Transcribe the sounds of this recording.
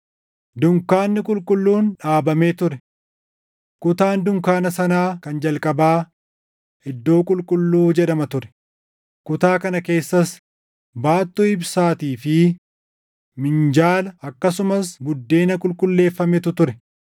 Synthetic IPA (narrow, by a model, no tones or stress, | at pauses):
d̪ʊŋkaːnːɪkʼʊlkʼʊlːuːnᶑaːbɐmeːt̪ʊɾɛ | kʊt̪aːnd̪ʊŋkaːnɐsɐnaːkɐnd͡ʒɐlkʼɐbaː | hɛd̪ːo̞ːkʼʊlkʼʊlːuːd͡ʒɛᶑɐmɐt̪ʊɾɛ̥ | kʊt̪aːkɐnɐke̞ːsːɐs | baːt̪ːuɪbsaːt̪iːfɪ | mɪnd͡ʒaːlɐɐkːɐsʊmɐsɡʊd̪ːe̞ːnɐkʼʊlkʼʊlːe̞ːfːɐmɛt̪ʊt̪ʊɾɛ